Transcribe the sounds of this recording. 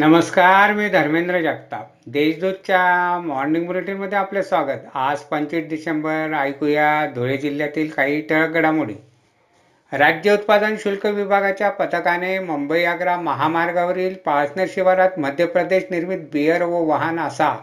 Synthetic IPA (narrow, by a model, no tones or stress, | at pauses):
nəməskaɾmiːd̪ʱəɾmend̪ɾəd͡ʑakt̪a̰ | d̪eɕd̪ud̪̚t͡ɕjamɔɾniŋɡmuliʈinməd̪ʱːjeaplesʋaɡət̪ad͡zpəɲt͡ɕiːʈ̚ɖisembəɾajkujad̪ʱoɭed͡ʑiljat̪iːlkaɦiːʈəɭɡəɽamuɽḭː | ɾad͡ʑjəut̪̚pad̪ənɕulkəʋibʱaɡat͡ɕjapət̪əkaneməmbəjaɡɾaməɦamaɾɡaʋəɾiːlpaɭsnəɾɕiʋaɾat̪məd̪ʱjəpɾəd̪eɕniɾmit̪̚bijəɾʋoʋaɦanasa